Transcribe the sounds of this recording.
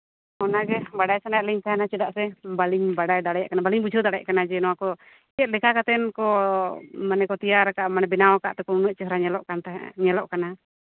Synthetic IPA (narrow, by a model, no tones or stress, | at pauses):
ɔnaɡɛbaɽajsanajaʔliɲkanat͡ʃudaʔsɛbaliɲbaɽajdaɽajʔkanabaliɲbud͡ʒud̪aɽɛɛ̰ʔkanad͡ʒɛnɔakɔ | kɛt̪̚lɛkakat̪ɛnkɔ | manɛkɔt̪iaɾkaʔmanɛbɛnaɔka̰ʔt̪ɛkɔnunuʔ̚t͡ʃɛɦɔɾaɲɛlɔʔkant̪aɲɛlɔʔkana